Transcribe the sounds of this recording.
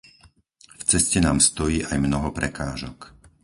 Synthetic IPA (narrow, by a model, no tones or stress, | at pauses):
ft͡sɛscɛnaːmst̪ɔjiːʔajmnɔɦɔpɾɛkaːʒɔk